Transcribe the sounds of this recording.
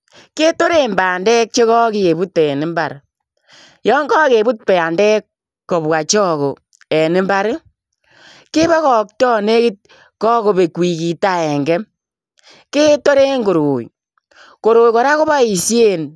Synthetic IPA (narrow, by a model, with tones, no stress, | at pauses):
ke˦to˦ɾe˦mbaː˨ndɛ˦k̚t͡ʃe˦kɔ˦ki˦e˨bu˦tɛ˨nɪ˦mba˨ɾ | jɔ˦ŋɡɔ˦ke˨bu˦t̚pɛ˨a˨ndɛ˦kː | o˨βwa˨t͡ʃɔ˦ko˨ | ɛ˨nɪ˦mba˦ɾ | ke˦βa˦kɔː˨k̚tɔ˦ne˦kɪ˦t̚ | kɔ˦ko˨be˨kwi˨ki˨ta˦ɛ˨ŋɡɛ˦m | ke˦to˦ɾe˦ŋɡo˨ɾoː˨j | ko˨ɾoː˨jkɔ˨ɾa˦ko˦βa˦i˨sje˦n